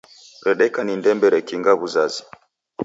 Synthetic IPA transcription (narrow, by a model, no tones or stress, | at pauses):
ɾɛɗɛkanindɛmbɛɾɛkiŋɡaβuzazi̥